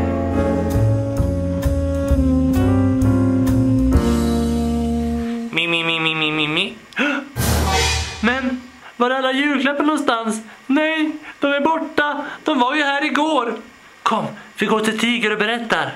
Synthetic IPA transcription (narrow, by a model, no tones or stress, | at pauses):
mɪmɪmɪmɪmɪmɪmɪ | mɛn | vaɾalːajʉ̟ːɡlɛpənɔnst̪ansnɛjd̪̥ɔmæɾbɔʈːad̪̥ɔmvaɾjɵhæːɾɪɡoːɾ | kʰɔmːvɪɡoːʈʰɪlt̪ʰiːɡəɾɔbɛɾɛt̪ːaɾ